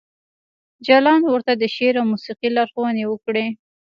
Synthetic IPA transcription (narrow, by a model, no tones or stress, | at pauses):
d͡ʒalɑnwəɾt̪ad̪əʃeɾawmusiqilɑɾxowənewəkɽe